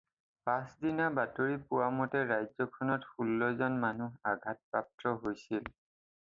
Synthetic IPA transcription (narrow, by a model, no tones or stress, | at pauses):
pãsdinabatoɹipʊwamɔtɛɹajzɔkʰɔnɔtxulːɔzɔnmanuɦaɡʱat̚pɹap̚tɹɔɦojsil